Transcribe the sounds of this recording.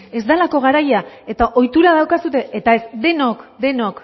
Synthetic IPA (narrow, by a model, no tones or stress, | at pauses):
e̞zd̪alako̞ɣ̞aɾajae̞t̪aʔo̞jt̪uɾað̞awkasut̪e̞ːt̪ae̞zd̪e̞nokd̪e̞nok